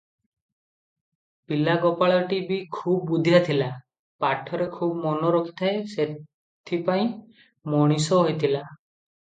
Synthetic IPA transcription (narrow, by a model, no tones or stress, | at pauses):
pilaɡɔpaɭɔʈibikʰub̚bud̪ʱijat̪ʰila | paʈʰɔɾekʰubmɔnɔɾɔkʰi̥t̪ʰaese | t̪ʰipaĩ | mɔɽ̃isɔɦojt̪ʰila